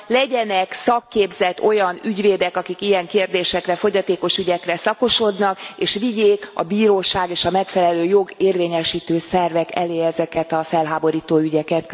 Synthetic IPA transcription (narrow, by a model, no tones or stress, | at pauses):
lɛɟɛnɛksɒkːeːbzɛt̪o̞jɒnyɟveːd̪ɛkɒkikijɛŋkeːrd̪eːʃɛkrɛfo̞ɟɒt̪eːko̞ʃyɟɛkrɛsɒko̞ʃo̞d̪nɒkeːʃʋiɟeːkɒ̰biːɾoːʃaːɡeːʃɒmɛkfɛlɛløːjo̞ɡeːrveːɲɛʃiːt̪øːsɛrvɛkɛ̰leːɛzɛkɛt̪ɒfɛlɦaːbo̞ɾiːt̪oːyɟɛkɛt̪